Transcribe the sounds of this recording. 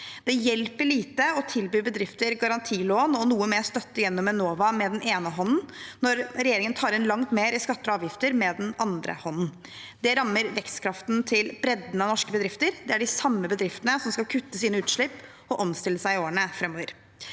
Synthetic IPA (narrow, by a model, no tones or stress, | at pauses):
d̪̥ɛjɛlpəɭiːt̪əɔt̪ʰɪlbyːbəd̪ɾɪft̪əɾɡɑɾɑnt̪ʰiːloːnɔnuːəmeːɾst̪œt̪ːəjɛnːɔmɛnoːʋɑmɛd̪ɛnʔeːnəɦɔnn̩nɔɾɾɛjeːɾɪŋənt̪ʰɑːɾɛnlɑŋt̪meːɾɪskɑt̪ːəɑːʋjɪft̪əɾmɛd̪ɛnɑnd̪ɾə̰hɔnn̩ | d̪ɛɾɑmːəɾʋɛkst̪kʰɾɑft̪nt̪ʰɪlbɾɛd̪nəɑnɔʂkəbəd̪ɾɪft̪əɾd̪ɛæɖɪsɑmːəbəd̪ɾɪft̪ənəsɔmskɑlkʰʉt̪ːəsiːnəʉːt̪ʂɭɪpː | ɔʔɔmst̪ɪlːəsæɪɪoːəɳəfɾɛmːoːʋəɾ